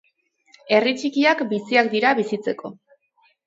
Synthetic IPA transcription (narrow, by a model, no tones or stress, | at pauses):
e̞rit͡ʃikiakbisiakd̪iɾaβisit͡se̞ko̞